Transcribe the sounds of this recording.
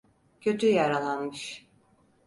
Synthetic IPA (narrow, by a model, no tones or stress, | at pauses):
cʰø̞t̪ʰyjaɾalˠanmɯʃ